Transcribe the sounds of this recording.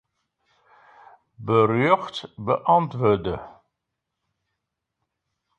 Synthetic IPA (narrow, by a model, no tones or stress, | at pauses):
bərjøχtbəʔɑntvəːrdə